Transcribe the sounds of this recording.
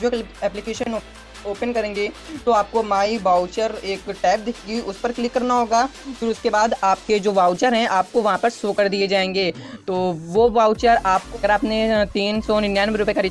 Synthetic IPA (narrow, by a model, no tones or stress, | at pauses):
d͡ʒoɛːplɪkeːʃən | oːpənkɐɾẽːŋɡet̪oaːp̚komaːibaːʊt͡ʃəɾeːkʈɛːp̚d̪ɪkʰɡiʔʊspɐɾklɪkːɐɾnaɦoːɡaːfɪːɾʊskebaːd̪aːp̚ked͡ʒoːʋaːʊt͡ʃəɾɦɛ̃ʔaːp̚koʋɐɦãpɐɾsoːkəɾd̪ied͡ʒaːẽːŋɡeːt̪oːʋobaːʊt͡ʃəɾaːp̚ɐɡəɾaːpnet̪iːnsɔnɪnjaːnbeɾʊpekaɾi